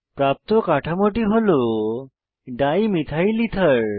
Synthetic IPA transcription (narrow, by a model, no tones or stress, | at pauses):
pɾap̚t̪okaʈʰamoʈ̬iɦolo | ɖaimit̪ʰailit̪ʰəɭ